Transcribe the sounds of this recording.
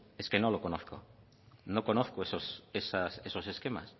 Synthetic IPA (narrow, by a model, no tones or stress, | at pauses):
eskenõlokonoθko̰ | nõkonoθkoesosesasesoseskema̰s